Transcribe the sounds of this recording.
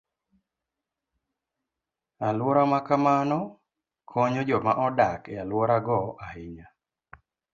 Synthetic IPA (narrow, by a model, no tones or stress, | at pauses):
alwɔɾamakamanɔ | kʰɔɲod͡ʒɔmaʔɔdakɛalwɔɾaɡɔʔahɪɲa